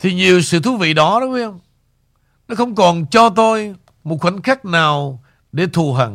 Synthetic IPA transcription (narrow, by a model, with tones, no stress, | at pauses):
t̪ʰi˨˩ɲi˨˩əwsɨ̰˧˨t̪ʰu˨˦vḭ˧˨ɗɔ˨˦ɗɔ˨˦wi˧˦ə˧wŋ͡m | nɔ˨˦xə˧wŋ͡mkɔ˨˩nt͡ɕɔ˧t̪o˧j | mo˨˩t̚xwə˨˧˩nxaː˦˥k̚naː˨˩w | ɗe˧˩t̪ʰu˨˩ɦə̰˨˩ŋ